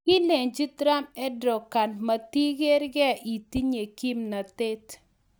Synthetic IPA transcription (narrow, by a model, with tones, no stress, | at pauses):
kɪ˦le˨ɲd͡ʒi˦tɾa˦mɛ˦dɾɔ˨ka˨nma˨ti˦ɡe˦ɾɡɛ˦˨ʔi˨ti˦ɲe˨ki˦mna˨te˦t